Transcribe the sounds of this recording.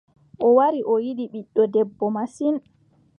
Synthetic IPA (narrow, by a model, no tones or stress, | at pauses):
ʔɔwaɾiʔɔjiɗiɓiɗːɔdɛbːɔmasin